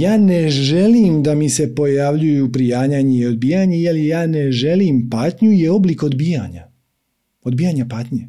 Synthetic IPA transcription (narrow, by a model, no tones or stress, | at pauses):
jaːne̞ʒe̞liːmd̪amise̞po̞jaʋʎujupɾijaːɲaɲeio̞d̪bijaɲejeljaːne̞ʒe̞limpaːt̪ɲujeo̞bliko̞d̪biːjaɲa̰ | o̞d̪̚biːjaɲapaːt̪ɲe